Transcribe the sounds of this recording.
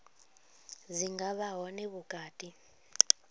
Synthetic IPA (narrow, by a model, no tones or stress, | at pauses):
ziŋɡaβaɦɔneβuɡ̥ʱaːd̥ʼʱi